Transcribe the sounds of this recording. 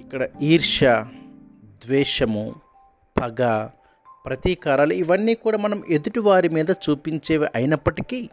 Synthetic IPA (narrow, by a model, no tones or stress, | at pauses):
ikːɐɽɐiːɾʂɐ | d̪ʋɛːʂɐmu | b̥ʱɐɡa | pɾɐt̪iːkaːɾaːluiʋɐnːiːkuːɽaːmɐnɐmʔed̪uʈiʋaːɾimiːd̪ɐt͡ʃuːpiɲt͡ʃeːʋiʔɐjinɐpːɐʈiki